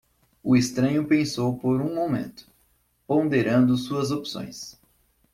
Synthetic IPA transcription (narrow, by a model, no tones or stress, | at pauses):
ʊɪst̪ɾɐ̃ɲʊpẽsowpoɾũmomḛ̃nt̪ʊ̥ | põd̪eɾɐ̃nd̪ʊsuɐzopsõ̰j̃s